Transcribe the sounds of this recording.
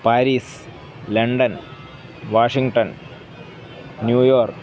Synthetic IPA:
paːɾiːs | lɐɳɖɐn | ʋaːʂiŋɡʈɐn | njuːjoːrk

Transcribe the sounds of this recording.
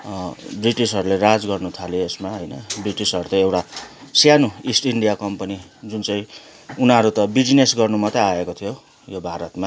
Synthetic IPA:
briʈisɦʌɾulerad͡zɡʌrnut̪ʰaleesmaɦʌjnʌbriʈisɦʌɾut̪ʌewʈasjanuisʈiɳɖijakʌmpʌnid͡zunt͡sʌĩ | unʌɾut̪ʌbid͡zinesɡʌrnumʌt̪eaekot̪ʰijo | jobʱaɾʌt̪ma

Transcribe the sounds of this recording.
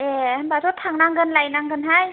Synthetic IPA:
enbazɔtʰaŋnaŋɡɯnlajnaŋɡɯnɦaj

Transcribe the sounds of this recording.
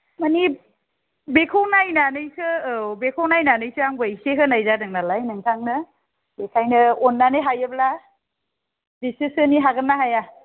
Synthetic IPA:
mani | bekʰownajnanɯjsʰɯbekʰownajnanɯjsʰɯaŋbɯjseɦɯnajzadɯŋnalajnɯŋtʰaŋnɯ | ekʰajnɯɔnːaneɦajɯbla | disisɯniɦaɡɯnːaɦaja

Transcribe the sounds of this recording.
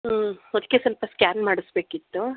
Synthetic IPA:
ɔd̪ikːesɐlpɐskʲaːnmaːɽisbe̞ːkit̪ːu

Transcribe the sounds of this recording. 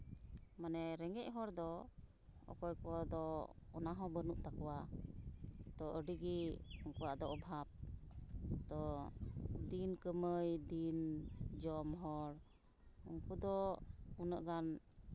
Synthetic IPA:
manɛɾɛŋɛʔ̚ɦɔɾd̪ɔ | ɔ̰kɔjkɔd̪ɔɔnaɦɔ̃bənuʔt̪akɔwa | t̪ɔəɖiɡiɔŋkuwaʔd̪ɔɔbʱap̚ | t̪ɔ | d̪inkəməjd̪ind͡ʒɔmɦɔɾ | ɔŋkud̪ɔunəʔɡan

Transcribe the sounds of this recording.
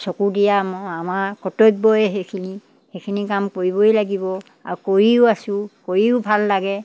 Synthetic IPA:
sokudijaamaɹkɔtojk̚bɔjɛɦekʰini | xekʰinikamkoɹibojlaɡibɔ | a̰ɹukoɹiʊasʊ̃koɹiʊbʱalːaɡɛ

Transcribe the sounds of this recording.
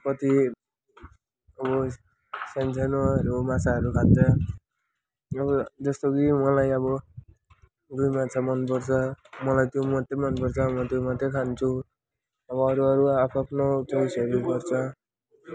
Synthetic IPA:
kʌt̪i | ʌbʌ | sent͡sʰanoɾomat͡sʰaʌɾukʰat̪̚t͡sʌ | ʌbʌd͡zʌst̪okimʌlajʌbʌ | d̪ujmat͡sʰamʌnpʌrt͡sʰʌmʌlajt̪jomʌt̪ːemʌnpʌrt͡sʰʌmʌ̃t̪jomat̪ekʰant͡sʰu | ʌbʌːɾuʌɾuapʰapʰnot͡sosʌɾupʌrt͡sʰʌ

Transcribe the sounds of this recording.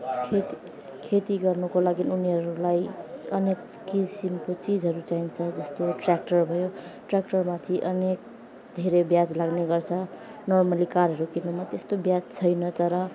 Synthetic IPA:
kʰet̪i | kʰet̪iɡʌrnukolaɡinuniɦʌɾulajʌnekːisimkot͡sid͡zʱɦʌɾut͡saint͡sʰʌd͡zʌst̪oʈrak̚ʈʌrbʱʌjoʈrak̚ʈʌrmat̪ʰiʔʌnek̚ | d̪ʱeɾebjad͡zlaɡneɡʌrt͡sʰʌ | nɔrmʌlikaɾɦʌɾukinumat̪est̪objad͡zt͡sʰʌjnʌt̪ʌɾʌ

